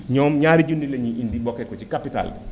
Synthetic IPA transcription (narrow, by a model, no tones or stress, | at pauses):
ɲɔːmɲaːɾiɟundileɲiʔindibɔkːɛkɔt͡ʃikapita̰l